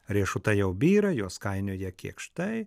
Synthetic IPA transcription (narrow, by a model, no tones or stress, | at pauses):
ɾʲiɛʃʊt̪ɐjɛʊbʲiːɾɐjoːskɐɪnʲoːjɛkʲḭɛkʃt̪ɐɪ